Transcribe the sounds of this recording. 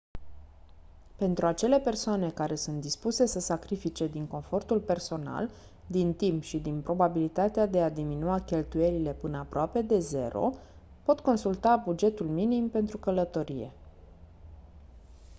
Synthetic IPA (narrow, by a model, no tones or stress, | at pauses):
pe̞nt̪ɾuat͡ʃe̞le̞pe̞rsoane̞kaɾe̞sunt̪̚d̪ispuse̞səsakɾifit͡ʃe̞d̪iŋko̞nfo̞rt̪ulpe̞rso̞na̰l | d̪int̪impʃid̪inpɾo̞babilit̪at̪ead̪e̞ad̪iminuakʲe̞lt̪uje̞lile̞pɨnəapɾoape̞d̪e̞ze̞̰ɾo̞̰ | po̞t̪ko̞nsult̪abud͡ʒe̞t̪ulminimpe̞nt̪ɾukələt̪o̞ɾije̞̰